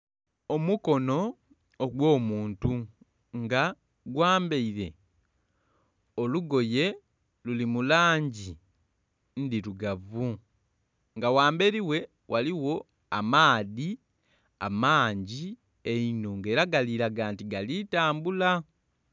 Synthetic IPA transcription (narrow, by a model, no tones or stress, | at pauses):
o̞muko̞no̞ː | ɡwo̞ːmuːntu | ŋɡa | ɡwaːmbe̞iɾe̞ | oluɡo̞je̞ | lulimulaːɲɟi | ndiɾuɡavu | ŋɡawaːmbe̞ɾiwe̞ | wʔaliwo̞ | a̰maːði | a̰maːɲɟi | einoːŋɡe̞ːɾaɡaliɾaɡaːntiɡalitaːmbula